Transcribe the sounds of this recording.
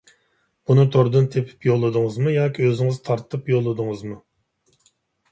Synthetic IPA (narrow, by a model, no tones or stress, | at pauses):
b̥unɨt̪ʰoɾd̪ɨnt̪ʰepʰɪ̥pjolˠːɨd̪ɨŋɨzmɨjɑːkʲiøzɪŋɪzt̪ʰɑɾt̪ʰɨpjolˠːɨd̪ɨŋɨzmɨ